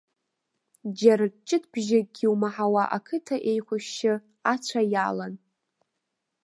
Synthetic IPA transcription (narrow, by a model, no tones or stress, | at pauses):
d͡ʒaɾat͡ʃʼɪtʰb̥ʒɪɡʲiwmaħawaʔakʰɨtʰaʔe̞jχʷʊʃːɪ | at͡ɕʷʰajalan